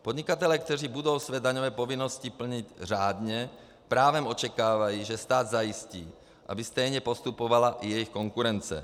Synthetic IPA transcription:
pɔd̪ɲikat̪ɛlɛaːk̚t̪ɛriːbud̪ɔʊsʋɛːd̪aɲɔʋɛːpɔʋinːɔscipl̩ɲiɟraːd̪ɲɛ | pɾaːʋɛmɔt͡ʃɛkaːʋajiːʒɛst̪aːd̪zaisciː | ʔa̰bist̪ɛjɲɛpɔst̪upɔʋalaʔjɛjixkɔŋkuɾɛnt͡sɛ̰

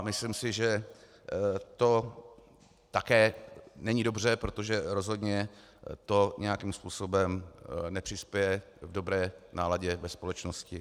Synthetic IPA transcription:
mɪslimsɪʒɛ | t̪o̞ | t̪akɛːnɛɲido̞br̝ɛpɾo̞t̪o̞ʒɛɾo̞zɦo̞dɲɛ | t̪o̞ɲʔɛjakiːmspuːso̞bɛmnɛpr̥ɪspjɛjɛ | vdo̞bɾɛːnaːlaɟɛvɛspo̞lɛt͡ʃnoscɪ

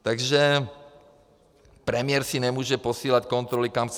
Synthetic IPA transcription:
t̪aɡʒɛ | pɾɛmɪɛɾsinɛmuːʒɛposiːlackɔnt̪ɾɔlikamt͡s

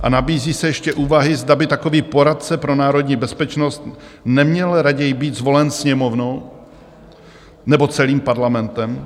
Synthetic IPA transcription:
ʔa̰nabiːziːsɛjɛʃcɛʔuːvaɦɪzdabɪt̪ako̞viːpo̞ɾat̪̚t͡sɛpɾo̞naːɾo̞d̪ɲiːbɛspɛt͡ʃno̞st̪nɛmɲɛlɾaɟɛjɪbiːd̪zvo̞lɛnsɲɛmo̞vno̞w | nɛbo̞t͡sɛliːmpaɾlamɛnt̪ɛm

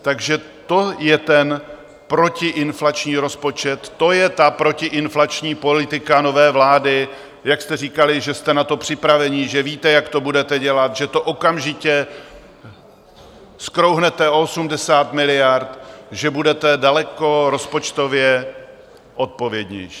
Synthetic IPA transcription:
t̪aɡʒɛ | t̪o̞jɛt̪ɛn | pɾo̞cɪʔɪnflat͡ʃɲiːɾo̞spo̞t͡ʃɛt̪ːo̞jɛt̪apɾo̞cɪʔɪnflat͡ʃɲiːpo̞lɪt̪ɪkano̞vɛːvlaːdɪ | jakst̪ɛriːkalɪʒɛst̪ɛnat̪o̞pr̥ɪpɾavɛɲɪʒɛviːt̪ɛjakt̪o̞budɛt̪ɛɟɛlat̪ʒɛt̪o̞ʔokamʒɪcɛ | skɾowɦnɛt̪ɛʔoosumdɛsaːt̪mɪlɪjaɾt̪ʒɛbudɛt̪ɛdalɛko̞ɾo̞spo̞t͡ʃt̪o̞vjɛ | ʔo̞t̪̚po̞vjɛd̪ɲɛ̰jʃiː

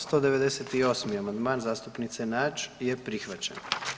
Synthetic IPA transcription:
st̪o̞d̪e̞ʋe̞d̪eset̪io̞ːsmiamand̪maːnzaːst̪upnit̪se̞nat͡ʃjepɾixʋat͡ɕen

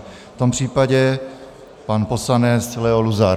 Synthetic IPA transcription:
ft̪ompr̝̥iːpaɟɛ | panposlanɛt͡slɛoluza

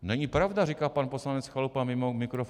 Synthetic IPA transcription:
nɛɲɪpɾavdarikaːpanposlanɛt͡sxalupamɪmomɪkɾof

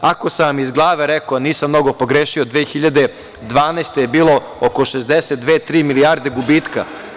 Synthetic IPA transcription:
ako̞samizɡlˠaːʋeɾɛkoniːsamno̞ɡo̞po̞ɡɾeːʃiod̪ʋeːxiʎad̪e̞ | d̪ʋaːnaːst̪ejebiːlˠo̞ | okoʃezd̪eset̪̚d̪ʋet̪ːɾiːmiliaːɾd̪e̞ɡubiːt̪ka̰

